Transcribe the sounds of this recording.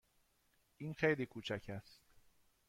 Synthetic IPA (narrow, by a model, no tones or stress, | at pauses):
ʔiːnxejliːkʰuːt͡ʃʰæcʰæst̪̚